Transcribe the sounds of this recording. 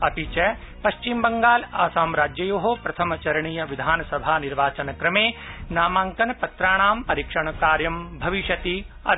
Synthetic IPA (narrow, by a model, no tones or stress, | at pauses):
ɐpit͡ʃɛ | pɐʃt͡ʃimbɐŋɡaːlaːsaːmɾaːd͡ʒjɐjoːɦopɾɐt̪ʰɐmɐt͡ʃɐɾɐɳ̃iːjɐʋid̪ʱaːnɐsɐbʱaːniɾʋaːt͡ʃɐnɐkɾɐmeːnaːmaːŋkɐnɐpɐt̪ɾaːɳ̃aːmpɐɾiːkʂɐɳ̃ɐkaːɾjɐmbʱɐʋiʃɐt̪iɐ